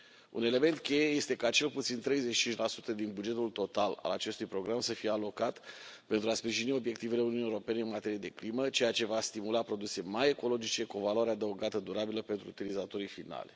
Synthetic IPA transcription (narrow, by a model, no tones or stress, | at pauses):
ṵne̞le̞me̞nt̪̚kʲe̞jeje̞st̪e̞kat͡ʃe̞lput̪sint̪ɾe̞jzet͡ʃit͡ʃint͡ʃʲlasu̥t̪əd̪inbud͡ʒe̞t̪ult̪o̞t̪ala̰la̰t͡ʃe̞st̪ujpɾo̞ɡɾamsəfije̞alo̞kat̪pent̪ɾuaspɾiʒinio̞bjek̚t̪ive̞le̞ununijeoɾope̞ne̞ɨnmat̪e̞ɾijed̪e̞klimət͡ʃe̞jat͡ʃe̞vast̪imulapɾo̞d̪use̞maje̞ko̞lo̞d͡ʒit͡ʃe̞kuo̞valoaɾead̪əuɡat̪əd̪uɾabiləpe̞nt̪ɾuːt̪ilizat̪o̞ɾifina̰lʲ